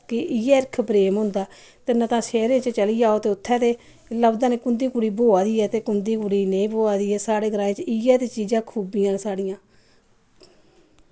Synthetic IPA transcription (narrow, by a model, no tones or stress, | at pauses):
kɪʔɪɛːɪɾɪkʰpɾeːmɦʊ̃nd̪aː | t̪enət̪ãːsɛːɾẽːt͡ʃt͡ʃəliːaːoːt̪eːʊt̪ʰːɛ̃ːt̪eː | ləbd̪ãːneːkʊnd̪iːkʊɽiːboːaːd̪iːɛːt̪eːkʊnd̪iːkʊɽiːneːiboːaːd̪iːɛːsaːɽeːɡəɾaːẽːt͡ʃɪɛːt̪eːt͡ʃiːd͡ʒãːkʰuːbiːãːnsaːɽijãː